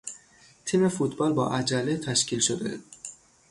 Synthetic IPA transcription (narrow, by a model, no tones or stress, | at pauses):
t̪ʰimefut̪bɒlbɒ̰ːʔæd͡ʒælet̪ʰæʃcʰilʃod̪e